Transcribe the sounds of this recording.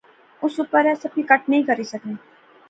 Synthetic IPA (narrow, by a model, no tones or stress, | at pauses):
ʊsuːpəɾɛːsɐbikɐʈ̚nɐɦĩkɐɾisɐkneː